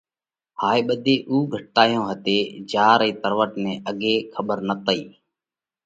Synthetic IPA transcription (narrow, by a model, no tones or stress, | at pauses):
haːeːɓəd̪ʱeːʔuːɡʱəʈːaːjõːɦət̪eːd͡ʒaːɾɛ̃ːt̪əɾʋəʈnẽːʔəɠeːkʰəɓəɾnət̪əiː